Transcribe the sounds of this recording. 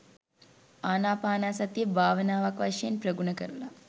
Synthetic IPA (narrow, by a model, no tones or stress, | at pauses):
aːnaːpaːnaːsɐt̪ijebʱaːʋənaːʋakʋaʂɐjenprɐɡunəkəɾula